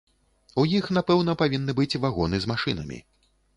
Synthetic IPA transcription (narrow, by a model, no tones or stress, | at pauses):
ujixnapɛwnɐpavʲinːɨbɨt͡sʲvaɣɔnɨzmaʂɨnɐmʲḭ